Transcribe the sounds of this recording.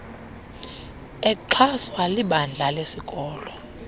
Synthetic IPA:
ɛǃʰaswaliɓand͡ɮʱalesikʼɔːlɔ

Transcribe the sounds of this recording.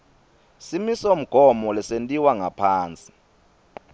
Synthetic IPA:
simisom̩ɡ̥ʱɔmɔlɛsentʼiwaŋʱapʰaːnt͡sʼi̥

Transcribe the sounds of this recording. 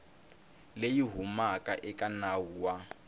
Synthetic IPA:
lejiɦumakʼaʔɛkʼanauwa

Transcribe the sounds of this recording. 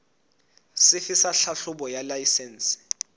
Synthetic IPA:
sɪfisaɬaɬʊbɔjalajisɛːn̩si̥

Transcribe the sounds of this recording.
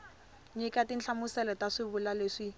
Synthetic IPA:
ɲikʼatin̩t͡ɬʰamʊsɛlɔtaʂɪbʊlaleːʂi

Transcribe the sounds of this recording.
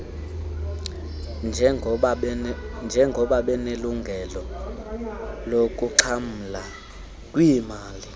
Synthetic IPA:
nʱ | nd͡ʒʱɛŋɡʱɔɓaɓɛneluŋɡʱɛlɔ | lok̬ʼuǀʰam̩la | kʼwimaːli

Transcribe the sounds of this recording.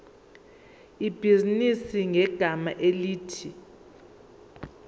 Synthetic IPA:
ib̥ʱizinisiŋɛɡ̥ʱamaʔeliːtʰi

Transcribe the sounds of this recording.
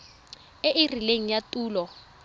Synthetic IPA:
ɪʔɪrileŋ̩jatʼuːlɔ

